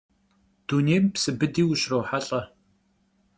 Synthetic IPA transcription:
d̥uneːjmpsɨbɨdiːwʊɕroːħaɬʼɐ

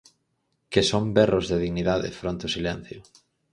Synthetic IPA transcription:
kesombɛrozðeðiɣniðaðḛfɾont̪osilɛn̟θjʊ

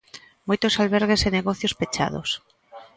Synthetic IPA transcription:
mojt̪osalβeɾɣ̞eseneɣɔθjospet͡ʃa̰ð̞o̰s

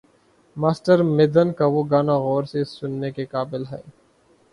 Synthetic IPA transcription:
maːsʈəɾmɪd̪ənkaʋoɡaːnaɣɔːɾsesʊnːekekaːbɪlɦɛː

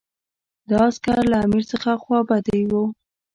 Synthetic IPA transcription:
d̪ɑskaɾlaːmiɾsəxaxwɑbad̪ejwo

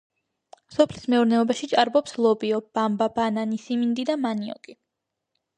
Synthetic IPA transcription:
sɔpʰlismɛuɾnɛɔbaʃit͡ʃʼaɾbɔpslˠɔbiɔb̥ambabananisimind̪id̪amaniɔ̰kʼi

